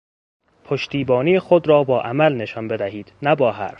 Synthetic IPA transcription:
pʰoʃt̪iːbɒːnijexod̪ɾɒːbɒːʔæmælne̞ʃɒnbe̞d̪æhiːd̪̥næbɒːɦæ̰ɾf

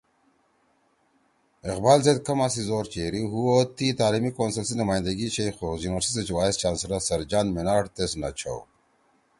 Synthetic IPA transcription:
ɪqbaːlzed̪̚kɐmasizoːɾt͡ɕeːɾiɦuot̪it̪aːlimikoːnsɐlsinumaːj̃nd̪ɐɡit͡ɕʰejxozjuːnwɐɾsiset͡ɕwaːist͡ɕaːnsɾasɐɾd͡ʑaːnmenaːʈt̪esna̰t͡ɕʰa̰w

